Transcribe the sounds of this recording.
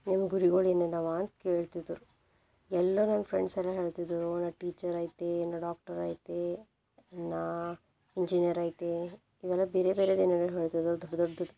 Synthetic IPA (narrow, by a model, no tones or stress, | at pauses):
nimɐɡuɾiɡoːɭiɐnːenaːʋaːnt̪keːɭt̪id̪uɾu | ɛlːɐnaːnːfʰɾeɳɖsɛlːɐɦe̞ːɭt̪id̪uɾunaʈiːt͡ʃɐɾaːjt̪enaɖaːk̚ʈɐɾa̰ːjt̪e | naː | iɲd͡ʒinijɐɾaːjt̪e | iʋɛlːɐbeːɾebeːɾed̪inɐɡɐlɦeːɭt̪id̪ɐɾd̪ɔɖːɐd̪ɔɖːɐd̪u